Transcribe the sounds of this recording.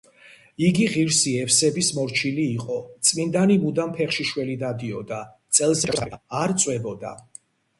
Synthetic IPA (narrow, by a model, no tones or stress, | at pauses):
iɡiʁiɾsiɛfsɛbismɔɾt͡ʃʰiliːqʼɔt̪sʼmind̪animud̪ampʰɛχʃiʃwɛlid̪ad̪iɔd̪at̪sʼɛlˠsɛːɾt̪sʼwɛbɔd̪a̰